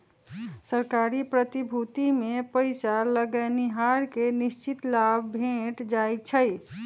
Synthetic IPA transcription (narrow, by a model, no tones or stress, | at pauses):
səɾkaɾipɾət̪ibʱut̪imepəɪsaləɡəniɦaɾkenist͡ʃit̪labbʱẽʈd͡ʒajt͡ʃʰəj